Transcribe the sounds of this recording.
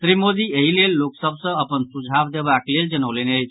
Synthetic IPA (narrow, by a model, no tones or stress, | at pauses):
t̪ɾimod̪iːeɦilelːoksəbsəəpənsud͡ʑʱabd̪ebakleld͡ʑənəʋlenej